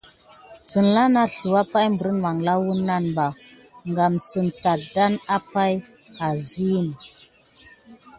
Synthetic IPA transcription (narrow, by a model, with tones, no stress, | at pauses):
sə˨nla˦na˦ɬu˨wa˦pa˦jmbə˨ɾə˦nma˨ŋla˦wu˦nːa˦nba˨ | ŋɡa˨msɨ˨nta˨da˦na˦pa˦j | a˨zi˦˨n˨